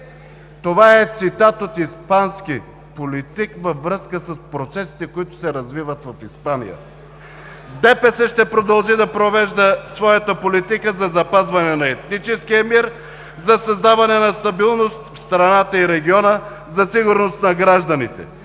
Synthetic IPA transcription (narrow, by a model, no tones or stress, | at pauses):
t̪ovaɛt̪sit̪at̪ot̪ispanski | polit̪ikvɐvɾəskəsəspɾot̪sɛsi̥t̪ɛkoit̪ʊ̥sɛɾɐzvivət̪vɐfispanḭjə̰ | d̪ɛpɛsɛʃt̪ɛpɾod̪ɐlˠʒid̪ɐpɾovɛʒd̪əsvɔjət̪əpolit̪ikəzɐzɐpazvɐnɛnɐɛt̪nit͡ʃɛskijəmiɾ | zɐsɐzd̪avɐnɛnɐst̪ɐbilˠnost̪fst̪ɾɐnat̪əiɾɛɡʲiɔnə | zɐsiɡʊɾnost̪nɐɡɾaʒd̪ɐnit̪ɛ̰